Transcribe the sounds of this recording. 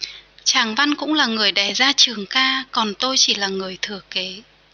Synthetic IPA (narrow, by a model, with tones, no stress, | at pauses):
t͡ɕaː˧˩ŋva˧nkʊ̰˧˥ŋ͡mlaː˨˩ŋɨ˨˩əjɗa˨˧˩zaː˧t͡ɕɨ˨˩əŋkaː˧kɔ˨˩nt̪o˧jt͡ɕi˧˩laː˨˩ŋɨ˨˩əjt̪ʰɨ˨˧˩əke˨˦